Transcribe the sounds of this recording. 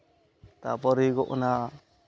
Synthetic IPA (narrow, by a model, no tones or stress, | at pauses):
t̪a̰pɔɾiɡɔʔna